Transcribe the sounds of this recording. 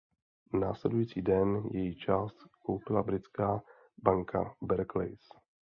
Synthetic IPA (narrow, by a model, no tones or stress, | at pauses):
na̰ːslɛdujiːt͡siːdɛnjɛjit͡ʃaːst̪kowpɪlabɾɪt͡skaː | baŋkʰa̰bɛɾklḛjs